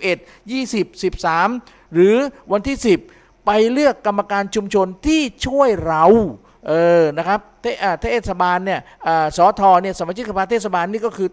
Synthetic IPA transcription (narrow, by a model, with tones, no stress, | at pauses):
ʔe˨˩t̪̚ | jiː˥˩si˨˩p̚si˨˩p̚saː˩˦m | ɾɯː˩˦wa˧nt̪ʰiː˥˩si˨˩p̚ː | a˧jlɯ˥˩əkːa˧mːa˧kaː˧nt͡ɕʰu˧mt͡ɕʰo˧nt̪ʰiː˥˩t͡ɕʰu˥˩əjɾa˧w | ʔɤː˧na˦˥kʰɾa˦˥p̚t̪ʰe˥˩ʔaː˨˩aː˥˩ʔeː˥˩t̪sa˧baː˧nːi˥˩ɐ | ʔaː˨˩sɔː˩˦t̪ʰɔː˧ni˥˩sa˦maː˧˩t͡ɕʰi˥ksa˧pʰaː˧t̪ʰeː˥˩t̪̚sa˧baː˧nːiː˥˩kɔː˥˩kʰɯː˧